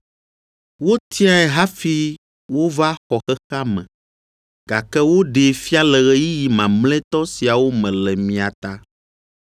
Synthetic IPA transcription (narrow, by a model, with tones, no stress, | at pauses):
wo˦t̪ʰĩ˦a˦ɛ˨ɦa˦fi˦ | wo˦va˦xɔ˨xɛ˦xa˦mɛ̰̃˨ | ɡ̥a˨kɛ˦wo˦ɖe˨fi˦a˦lɛ˨ɣɛ˦ji˦ji˨mã˨mlɛ̃˦t̪ɔ˦si˨a˨wo˦mɛ̃˨lɛ˨mĩ˨a˨t̪a˦